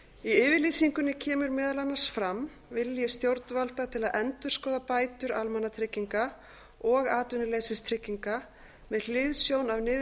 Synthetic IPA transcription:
iɪːvɪɾlisiŋkʏnːɪcʰɛːmʏɾmɛːðalanːaɾ̥sfɾam | vɪlːjʏst̪jowɾt̪nvalt̪at̪ʰɪlaðʔɛnt̪ʏ̥skɔːðapaːjt̪ʏɾa̰lmanːat̪ʰɾɪcːiŋka | ɔɣaːt̪ʏnʏlejsɪst̪ʰɾɪcːiŋka | mɛðl̥ɪðsjownavnɪð

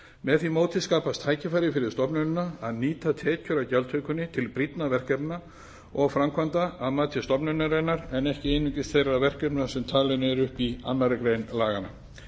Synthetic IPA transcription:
mɛðθimoːwt̪ʰɪðskaːpast̪ʰaːjcɪfajɾɪfɪɾɪ̥st̪ɔpnʏnʏnaaðniːt̪at̪ʰɛːcʰʏɾacawlt̪ʰœɥkʏnːɪt̪ʰɪlpɾit̪navɛr̥kɛpna | ɔɣfɾamkʰvant̪aaðmaːt̪ʰɪ̥st̪ɔpnʏnːʏɾɛnːaɾɛnɛhcɪɪnːʏcɪst̪θejravɛr̥kɛpnasɛmt̪ʰaːlɛnɪɛɾʏhpia̰nːaɾʏkɾejnlaːɣana̰

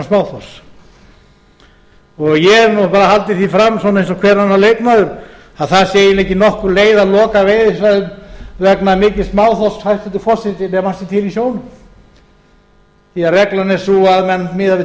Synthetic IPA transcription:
smaːwθɔs | ɔɣjɛnupaːɾahalt̪ɪθifɾamːs̬ɔːnaejnsɔkʰvɛːɾanːaleːjt̪naðʏɾ | aðθasjeːjɪnɛhcɪnɔhkʏɾleːjðalɔːkaveːjðɪsvaðʏmvɛknamɪːcɪ̥smaːwθɔshajt̪fɛt̪ʏ̥fɔr̥sɪt̪ɪnɛmasɪt̪ʰɪlisjoːwnʏm | jarɛklanɛsuaðmɛnt̪mɪːðavɪ

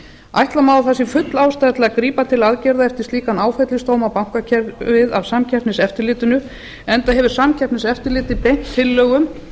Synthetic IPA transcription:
a̰jht̪lamaːwθɛsːɪfʏt̪laːwst̪ajat̪lakɾiːpat̪ʰɪlaðcɛɾðaɛft̪ɪɾ̥t̪liːkanaːwfɛt̪lɪst̪owmawpawŋ̥kacʰɛɾvɪðavsamcʰɛr̥pnɪsɛft̪ɪɾlɪːt̪ʏnʏ | ɛnt̪aɦɛvʏɾ̥samcʰɛɾpnɪsɛft̪ɪɾlɪːt̪ɪpejn̥t̪ʰːɪlːœːɣʏm

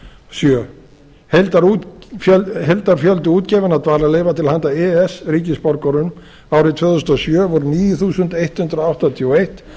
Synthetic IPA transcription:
sjœ | helt̪aɾuœhelt̪aɾ̥fjœlt̪ʏuːt̪cɛːvɪnat̪vaːɾaleːjvat̪ʰɪlhant̪aɛɛsɾiːcɪspɔɾkɔɾʏm | aːwɾɪt̪ʰvœːðθʏst̪ɔsjœːvɔɾniːjʏθuːsʏnt̪ejht̪hʏnt̪ɾawht̪at̪ʰiɔejht̪

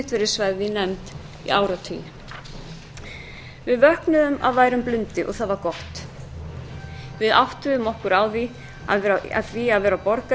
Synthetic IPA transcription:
ht̪vɛɾɪɾ̥svajðɪnɛmt̪ | ḭaːwɾat̪ʰḭnɪ | vɪðvœhknʏðʏma̰ðvaːjɾʏmplʏnt̪ɪʔɔ̰ɣθaðvaɾkɔht̪ | vɪða̰wht̪ʏðʏmɔhkʏɾawði | a̰ða̰θviaðvɛːɾapɔɾka

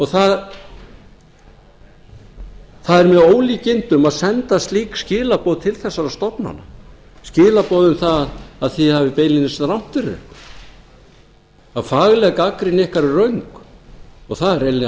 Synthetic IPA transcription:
ɔɣθað | θaðɛɾmɛðoːwliːcɪnt̪ʏmaðsɛnt̪ast̪liːkscɪːlapɔwðt̪ʰɪlθɛsːaɾast̪ɔpna̰na | scɪːlapɔðʏmθaðaðθihavɪpejlɪnːɪsɾawm̥t̪ɪɾʏ̰k | aðfaːɣlɛkakɾɪnɪhkaɾrœɥŋk | ɔɣθaðɛɾejlːɪ

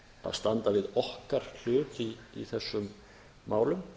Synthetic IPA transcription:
a̰ðst̪ant̪avɪðɔhkaɾ̥l̥ʏːt̪iːθɛsːʏmː | aːwlʏm

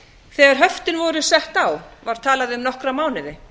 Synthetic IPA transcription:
θɛːɣaɾ̥ɦœft̪ɪnvɔɾʏsɛht̪awvaɾ̥t̪ʰaːlaðɪʏmnɔhkɾamaːwnɪðɪ

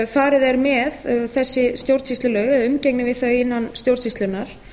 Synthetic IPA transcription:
faːɾɪðɛɾmɛðθɛsːɪst̪jowɾt̪sist̪lʏlœɣɛðaʏmceknɪvɪðθœɥɪnːanst̪jowɾt̪sist̪lʏnaɾ̥

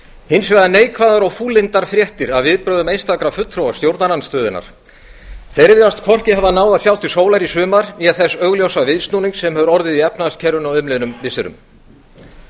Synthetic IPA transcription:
hɪnsvɛɣðaneːjkʰvaðaɾɔɣfuːlɪnt̪aɾ̥fɾjɛht̪ɪɾaðvɪðpɾœːðʏmejnst̪akɾafʏt̪ːɾowast̪jowɾt̪naɾanst̪œːðɪna̰ɾ̥ | θejɾvɪðast̪kʰɔr̥cɪɦavanaːwðaθjaːwt̪ʰɪ̥soːwlaɾisʏːmaɾiaθɛsːœɣljowsavɪðst̪nuːniŋksɛmhɛvʏɾɔɾðɪðiɛpnascʰɛɾʏnawʏmlɪnʏmvɪsɪɾʏ̰m

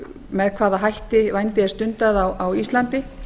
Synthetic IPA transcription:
mɛðkʰvaːðaɦajht̪ɪvajnt̪ɪɛɾ̥st̪ʏnt̪aðawawist̪lant̪ɪ

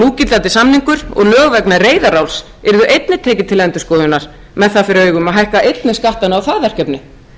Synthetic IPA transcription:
nuːcɪlant̪ɪsamniŋkʏɾɔ̰ɣlœːɣvɛknareːjðaɾawls | ɛɾðʏʔejt̪nɪt̪ʰɛːcɪt̪ʰɪlɛnt̪ʏskɔːðʏnːaɾ̥ | mɛðθaðfɪɾɪœːɥɣʏmaɦajhkaʔejt̪nɪskaht̪anɪawθaðvɛr̥cɛpnɪ

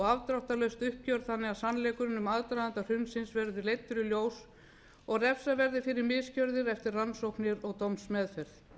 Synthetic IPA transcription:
ɣavt̪ɾawht̪alœɥst̪ʏhp̚cœɾðθanːɪasanlɛːkʏɾɪnʏmaðt̪ɾajðant̪ar̥ʏnsɪnsvɛɾðɪlejt̪ːʏɾʏljoːws | ɔɣrɛfsavɛɾðɪfɪɾɪɾmɪðscœɾðɪɾɛft̪ɪrranːsowknɪɾɔɣt̪omsmɛːðfɛɾθ

